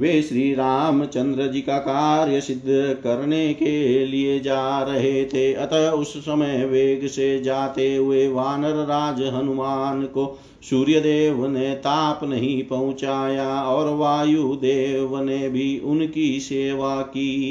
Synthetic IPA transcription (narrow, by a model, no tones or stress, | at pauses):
ʋeːʃɾiːɾaːmt͡ʃɐ̃nd̪ɾəd͡ʒikakaːɾjəsɪd̪ʱːkɐɾnekelied͡ʒaːɾɐɦet̪ʰeɐt̪əʊsːəməjʋeːɡsed͡ʒaːt̪eɦʊeʋaːnəɾːaːd͡ʒɦɐnʊmaːnko | suːɾjəd̪eːʋnet̪aːpnɐɦĩpɐɦʊ̃t͡ʃaːjaɔːɾʋaːjud̪eːʋnebʱiʊnkiseːʋakiː